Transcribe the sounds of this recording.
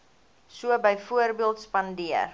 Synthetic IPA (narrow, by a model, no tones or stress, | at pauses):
suəbəjfuərbiəlˠtspɐndiər